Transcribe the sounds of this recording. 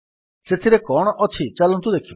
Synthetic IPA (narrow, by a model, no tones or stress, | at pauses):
set̪ʰiɾekɔɽ̃ɔʔɔt͡ʃʰit͡ʃalɔ̃nt̪̬ud̪ekʰio